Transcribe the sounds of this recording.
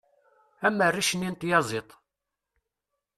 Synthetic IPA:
æmːərːiʃənint̪jɑzˤet̪ˤ

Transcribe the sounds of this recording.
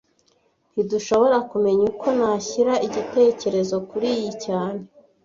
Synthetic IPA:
n̥iduʃo̞βo̞ɾakume̞ɲukʰo̞naçiɾaiɟite̞ːce̞ɾe̞zo̞kuɾijicaːne̞

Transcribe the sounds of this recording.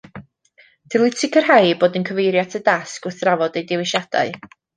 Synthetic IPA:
d̥ʰɪlˠitʰɪkʰərɦajboːdənkʰəvejɾjatʰədaskʊθravɔdejdɪwɪʃad̥a̰ɨ

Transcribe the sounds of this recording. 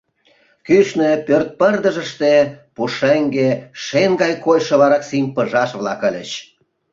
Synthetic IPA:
kyʃnepørt̪̚pərd̪əʒəʃt̪epuʃeŋɡeʃenɡɑjkojʃə̆βɑɾɑksimʲpəʒɑʃβlɑkə̆lʲə̰t͡ɕ

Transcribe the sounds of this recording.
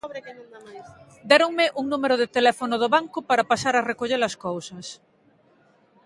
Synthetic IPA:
d̪ɛɾoŋmɪʔuŋnũmeɾoðet̪elɛfonoð̞oβaŋkʊpaɾapasaɾarekoʎeɾaskowsɐs

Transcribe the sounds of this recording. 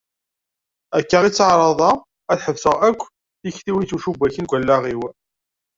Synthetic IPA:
ækːəʁit͡sːʕɾˤɑðˤɑ | æθħəvsəʁækʷː | əçθiwit͡suʃubæçənɡʷælːæʁiw

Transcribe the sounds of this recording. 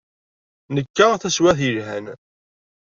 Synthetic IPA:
nəkːaθæswæθjəlɦæ̰n

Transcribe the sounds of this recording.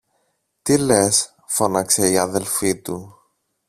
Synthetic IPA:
t̪ile̞s | fo̞nɐkse̞iɐðe̞lfit̪u

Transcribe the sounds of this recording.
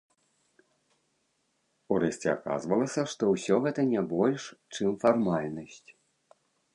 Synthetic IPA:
uɾɛsʲt͡sʲɛa̰ka̰zvɐlˠɐsʲɐʂt̪ɔwsʲɔɣɛt̪ɐnʲɛbɔlʲʂt͡ʂɨmfarmalʲnɐsʲt͡sʲ

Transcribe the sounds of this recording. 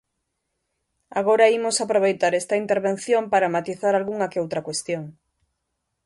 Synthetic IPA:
aɣ̞oɾɐimosapɾoβ̞ejt̪aɾest̪ɐint̪eɾβenθjompaɾɐmat̪iθaɾalɣuŋɐkeowt̪ɾɐkwest̪joŋ

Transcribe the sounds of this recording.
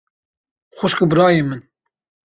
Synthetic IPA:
xʷʊʃkɨbɨɾɑːjemɨn

